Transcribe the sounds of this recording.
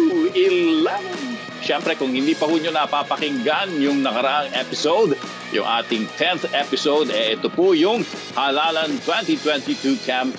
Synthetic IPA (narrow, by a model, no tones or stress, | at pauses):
ʔɪlaŋ | ʃɛmpɾɛkʊŋhɪnd̪iːpɐhuːɲonɐpapɐkɪŋɡanjʊŋnɐkɐɾɐʔaŋʔɛpɪsowd̪ | jʊ̰ŋʔa̰ːt̪ɪŋt̪ʰɛnθɛpɪsowd̪ɛʔɛt̪opojʊŋ | halaːlɐnt̪wɛ̃nt̪it̪wɛnt̪it̪ukʰam